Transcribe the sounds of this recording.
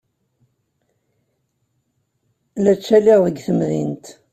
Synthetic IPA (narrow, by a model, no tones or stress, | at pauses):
læt͡ʃːæliʁəɡθəmðint̪